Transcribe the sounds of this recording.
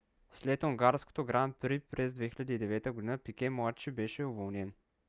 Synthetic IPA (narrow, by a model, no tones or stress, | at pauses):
slɛt̪oŋɡaɾsko̥t̪oɡɾanpɾipɾɛzd̪vɛxilʲɐd̪iːd̪ɛvɛt̪əɡod̪inəpikʲɛmˠat͡ʃːibɛʃɛʊvolˠnɛn